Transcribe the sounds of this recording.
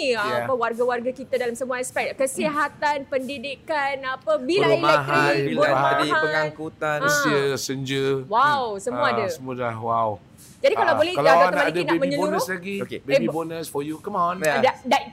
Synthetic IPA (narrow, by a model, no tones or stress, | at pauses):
aapəwarɡawarɡakit̪adalamsəmuaɛspɛk̚kəsiɦat̪anpəndidikanapəbilamlaɦaibilaadipəŋaŋkut̪ansiəsəɲd͡ʒəwawsəmũadasəmudahwaw | d͡ʒadikalawbolɛhkaladanəmaidainaməiɲəbunɾəslaɡikebeebibonəsfɔjukəmandada